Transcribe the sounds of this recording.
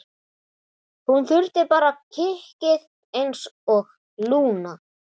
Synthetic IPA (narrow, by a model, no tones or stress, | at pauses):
hunθʏɾt̪ɪpaːɾacʰɪhcɪð | ejnsɔx | luːna